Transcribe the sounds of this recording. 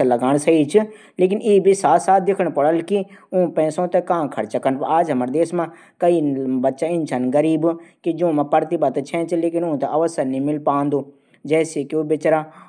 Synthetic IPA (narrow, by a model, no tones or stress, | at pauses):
alɐɡaːɽ̃sɐiːt͡ʃʰɪ | leːk̬ɪniːbʱisaːsaːt̪̚ʰd̪ɪkʰəɽ̃pɐɽəlkiũpɛ̃ːsõːt̪ekãːkʰɐɾt͡ʃɐkənpaːd͡ʒɦɐməɾd̪eːsmã | kɐiːbɐtːʃãɪnt͡ʃʰaːnɡɐɾiːbkid͡ʒõːmãpɐɾt̪ibət̪t͡ʃʰɛ̃ːt͡ʃʰileːkɪnʊ̃t̪ɐʔɐʋəsəɾnĩmɪlpaːnd̪oː | d͡ʒɛːsekiuːbet͡ʃɾaː